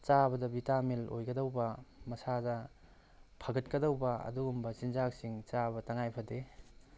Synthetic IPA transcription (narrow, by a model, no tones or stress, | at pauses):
t͡ʃabɐdɐbitamilo̰jɡɐdɐwbɐmɐsadɐ | pʰɐɡɐt̚kɐdɐwbɐɐ̰duɡumbɐsinzak̚siŋt͡ʃabɐtɐŋajpʰɐde